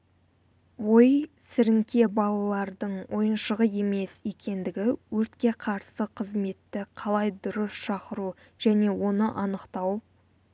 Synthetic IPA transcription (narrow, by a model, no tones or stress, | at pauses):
wo̞jsɪɾɪŋkʲʰe̞bɑlˠɑlˠɑɾd̪əɴwʔo̞jənʃəʁəje̞me̞sje̞kʲe̞nd̪ɪɡʲɪwɵɾt̪kʲe̞qʰɑɾsəqʰəzme̞t̪ːɪqʰɑlˠɑjd̪ʊɾəsʃɑqəɾu | ʒ̥æne̞wo̞nəʔɑnəqt̪ɑw